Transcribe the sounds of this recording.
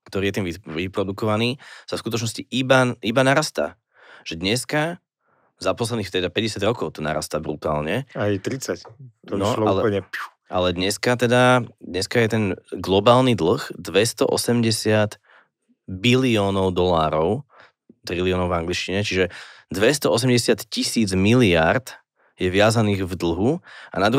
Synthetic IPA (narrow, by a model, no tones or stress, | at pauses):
kt̪ɔɾiːjɛt̪iːmʋiʋipɾɔd̪ukɔʋaniːsafskut̪ɔt͡ʃnɔsciʔibaibanaɾast̪a̰ː | ʒ̥ɛd̪ɲɛska | zapɔslɛd̪nixt̪ɛd̪apɛɟɛsjadɾɔkɔʊt̪ɔna̰ɾa̰st̪aːbɾut̪aːlɲɛajt̪ɾit͡sac̪nɔa̰lɛpɲɛ | ʔa̰lɛd̪ɲɛskat̪ɛd̪ad̪ɲɛskajɛt̪ɛnɡlɔbaːlnid̪l̩ɣd̪ʋɛst̪ɔ̰ʔɔsɛmɟɛsɪat̪ | biliɔːnɔʊd̪ɔlaːɾɔʊ | t̪ɾiliɔːnɔʊvaŋɡlit͡ʃciɲɛt͡ʃiʒɛd̪ʋɛst̪ɔɔs̬ɛmɟɛsɪat̪cisiːd͡zmilɪaɾd̪ | jɛʋɪazaniːɣvd̪l̩ɦua̰nad̪ɾu